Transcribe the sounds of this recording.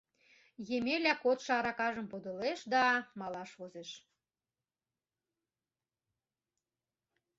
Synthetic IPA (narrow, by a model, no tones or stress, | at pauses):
jemelʲækot̪ʃɑɾɑkɑʒə̆mpod̪ə̆leʃd̪ɑmɑlɑʃvozeʃ